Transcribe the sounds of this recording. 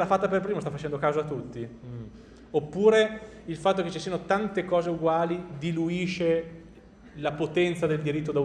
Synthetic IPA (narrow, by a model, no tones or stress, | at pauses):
lafːat̪ːaperpɾiːmost̪afat͡ʃɛnd̪okaːwzoat̪ːut̪ːi | opːuːɾe | ilfat̪ːoket͡ʃːisiːanot̪ant̪ekɔːzeuɡwaːlid̪iluiːʃe | lapot̪ɛnt̪sad̪eld̪iɾit̪ːod̪a